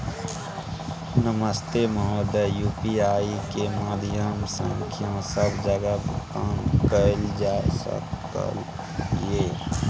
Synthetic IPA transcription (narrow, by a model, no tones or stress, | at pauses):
nəməst̪eməɦod̪əjupiaːikemad̪ʱjəmsə̃ŋkʰijãsəbd͡ʒəɡabkaːnkəld͡ʒaːesə̰kkə̰l | je